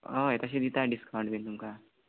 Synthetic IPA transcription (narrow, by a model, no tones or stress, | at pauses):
ʌɦet̪ʌs̬ẽd̪it̪aɖiskawɳɖbʱind̪uŋka